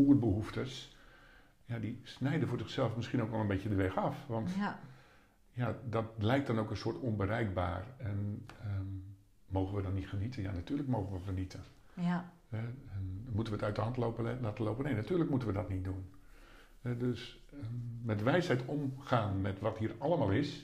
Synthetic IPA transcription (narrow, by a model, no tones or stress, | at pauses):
uər̚bəɦuftəs | jadisnɛjdəfʊːrzɪxsɛlˠfmɪskinowkʋɛlˠənbeːtjədəʋɛxɑfʋɔnt | jadɔt̚lɛjk̚d̥ɔnowkənsoːtonbəɾɛjk̚ba̰ːrɛnə | moːɣənʋədɔnːitχənitəjanatyːləkmoːɣəʋəfənitʰə | hɛɛnmutənʋətœɥtəɦɑntloplaːtəloːpənejnatyːərləkmutənʋədɔtnit̚dun | hɛdøs | əmɛtʋɛjshɛjtomχaːnmɛtʋɔthiːəɾɑlˠəmaːlˠɪs